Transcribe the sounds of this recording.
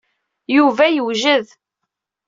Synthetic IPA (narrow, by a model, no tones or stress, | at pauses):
juvæjəwʒəð